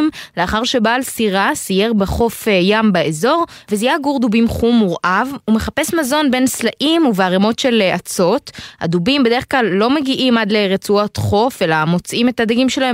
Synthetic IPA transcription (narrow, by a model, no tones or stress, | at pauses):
mleaχaʁʃe̞baːlsiʁasije̞ʁbeχo̞fjambaezo̞ʁvezijaɡuʁd̪ubimχumuʁʔavume̞χape̞smazo̞nbe̞nslaʔimuveaʁemo̞tʃe̞lat͡so̞tha̰d̪ubimbed̪e̞ʁeχklalːo̞me̞ɡiʔimad̪le̞ʁet͡suot̪χo̞fe̞lamo̞t͡sʔime̞tad̪aɡimʃe̞lae